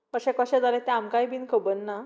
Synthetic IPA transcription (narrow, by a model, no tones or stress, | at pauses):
pəɕɛ̃kəɕɛ̃d͡zalɛ̃t̪ɛamkajbinkəbənːa